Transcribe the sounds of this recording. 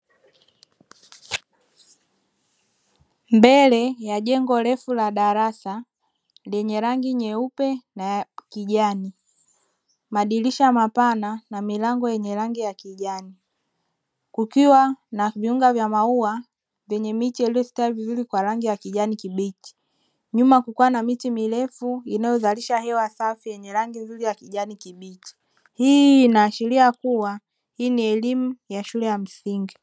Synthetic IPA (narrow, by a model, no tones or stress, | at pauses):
mbɛlɛjaʄɛŋɡɔlɛfulaɗaɾasa | lɛɲɛɾaŋɡiɲɛupɛnakiʄani | maɗiliʃaamapananamilaŋɡɔjɛɲɛɾaŋɡijakiʄani | kukiwanaviuŋɡavjamaua | vjɛɲɛmitiɛliɔsi̥taivizuɾikwaɾaŋɡijakiʄanikiɓiti̥ | ɲumakukuwanamitimilɛfuinajɔzaliʃahɛwasafijɛɲɛɾaŋɡinzuɾijakiʄanikiɓit͡ʃi̥ | hiːnaːʃiɾiakuwa | hiːniɛlimujaʃulɛjam̩siŋɡi